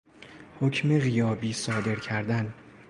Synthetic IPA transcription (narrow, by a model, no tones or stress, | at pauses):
hocʰme̞ɣijɒːbiːsɒːd̪e̞ɾcʰæɾd̪æn